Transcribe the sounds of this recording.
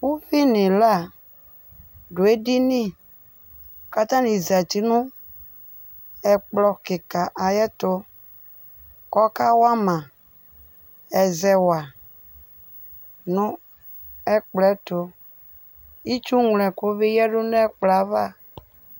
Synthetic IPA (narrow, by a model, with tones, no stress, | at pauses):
wu˦fi˦nẽ˨la˦˨ | ɖo˨e˦di˦nĩ˦˨ | ka˨t̪ã˦nĩ˨za˨t̪i˦nũ˦ | ɛ˨k͡plɔ˨ke˨ka˨ʔa˨jɛ˦t̪o˦ | kɔ˦ka˦wa˦mã˨ | ɛ˨zɛ˨wa˨ | nũ˦ | ɛ˦k͡plɛ˦t̪o˨ | i˦t͡ʃu˦ŋlɛ̃˨ko˦be˦jɛ˦ɖo˦n˦ɛ˦k͡pla˨˦va˦˨